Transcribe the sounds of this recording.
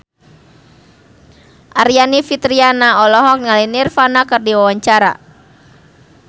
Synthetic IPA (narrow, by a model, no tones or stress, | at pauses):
ʔaɾianifit̪ɾianaɔlɔɦɔk̚ŋalinirfanakɨrdiwawaɲt͡ʃaɾa̰